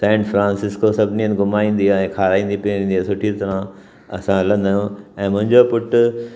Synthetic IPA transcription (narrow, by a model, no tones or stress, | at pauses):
sɛ̃ːɳʈfɾãːnsɪskosɐbʱniənɡʱʊmaːĩːn̆d̪iɛ̃ːkʰaːɾaːĩːnd̪ipiĩːnd̪iasʊʈʰiɾt̪ɐɾã | ɐsãlɐ̃nd̪ajũɛ̃ːmʊ̃ɦɪ̃ɲd͡ʑopʊʈʊ